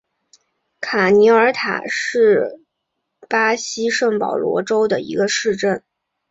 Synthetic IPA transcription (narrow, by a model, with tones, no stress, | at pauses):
kʰa˨˩ni˧˥ə˞˧˥t̪ʰa̰˨˩ʂɻ̩˥˩ | pa˥ɕi˥ʂə˥˩ŋpɑ̰˨˩ʊlwɔ̰˧˥ʈ͡ʂo˥ʊd̪ə˨ḭ˧˥ɡə˧ʂɻ̩˥˧ʈ͡ʂə˥˩n